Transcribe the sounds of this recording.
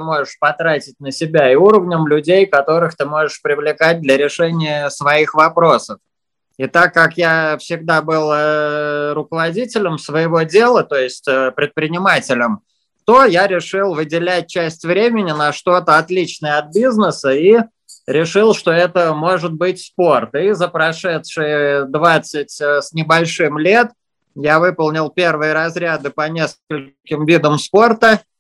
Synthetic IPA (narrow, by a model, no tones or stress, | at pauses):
ɨmo̞ʐɨʂpɐt̪ɾatʲɪtʲnəsʲɪbʲaɪuɾəvnʲəmlʲʊdʲejkɐt̪o̞ɾɨxt̪ɨmo̞ʐəʂpɾʲɪvlʲɪkat̚ʲd̪lʲəɾʲɪʂɛnʲɪjəsvɐixvɐpɾo̞səf | it̪akːakjafsʲɪɡ̚d̪abɨlˠəɾʊkəvɐdʲitʲɪlʲəmsvəjɪvo̞dʲe̞lˠət̪o̞jɪsʲtʲəpɾʲɪt̪̚pɾʲɪnʲɪmatʲɪlʲəm | t̪o̞jaɾʲɪʂɨlˠvɨdʲɪlʲæt̚ʲt͡ɕæsʲtʲvɾʲemʲɪnʲɪnəʂt̪o̞t̪əɐt̪lʲit͡ɕnəjəɐt̪̚bʲiznəsəi | ɾʲɪʂɨlˠʂt̪o̞ɛt̪əmo̞ʐɨt̪̚bɨtʲspo̞rt̪izəpɾɐʂɛt̪ʂɨjəd̪vat̪sɨtʲsʲnʲɪbɐlʲʂɨmlʲe̞t̪ | javɨpəlˠnʲɪlˠpʲe̞rvɨjəɾɐzɾʲad̪ɨpɐnʲe̞skəlʲ | kʲɪmvʲid̪əmspo̞rt̪ə